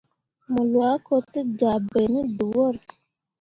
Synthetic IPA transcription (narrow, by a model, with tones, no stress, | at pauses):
mu˨lwa˨˦ko˨ti˦d͡ʒa˨be˨ni˦du˨wo˦ɾ